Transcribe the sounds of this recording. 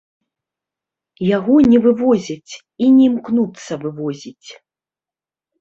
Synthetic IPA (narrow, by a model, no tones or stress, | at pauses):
jaɣɔnʲɛvɨvɔzʲɐt͡sʲ | inʲɛmknut̪sːɐvɨvɔzʲit͡sʲ